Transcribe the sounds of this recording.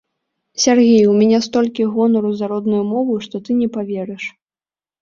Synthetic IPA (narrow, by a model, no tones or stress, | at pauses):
sʲarɣʲejwmʲɛnʲɛst̪ɔlʲkʲiɣɔnɐɾuzaɾɔd̪nujumɔvɨʂt̪ɔt̪ɨnʲɛpavʲɛɾɛʂ